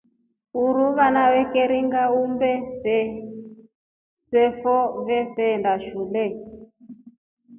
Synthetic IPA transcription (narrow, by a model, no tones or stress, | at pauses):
uɾuβanaβɛkɛɾiŋɡaumbɛsɛ | sɛfɔβɛfɛndaʃulɛ